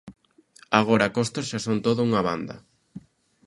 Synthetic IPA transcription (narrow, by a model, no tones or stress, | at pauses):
aɣoɾɐakost̪ɐsʃasont̪oðʊuŋɐβa̰nd̪ɐ̰